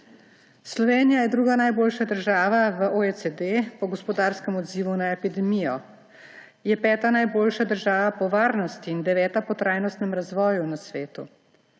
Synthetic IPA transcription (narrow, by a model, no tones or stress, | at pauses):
slɔʋeːnijajɛd̪ɾuːɡanajboːlʃad̪əɾʒaːʋaʋəʔoesed̪epɔɡɔspɔd̪aːɾskɛmɔd̪ziːʋunaɛpid̪ɛmijɔ | jɛpɛːt̪anajboːlʃad̪əɾʒaːʋapɔʋaːɾnɔst̪iːnd̪ɛʋɛːt̪apɔt̪ɾaːjnɔst̪nɛmɾazʋɔːjunasʋeːt̪ṵ